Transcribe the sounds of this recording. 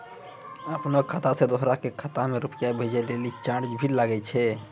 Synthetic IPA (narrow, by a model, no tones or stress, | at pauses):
əpnokʰat̪asẽd̪oɦɾakekʰat̪ameɾupijabʱed͡ʒɛlelit͡ʃaɾd͡ʒbʱilaɡɛt͡ʃʰɛ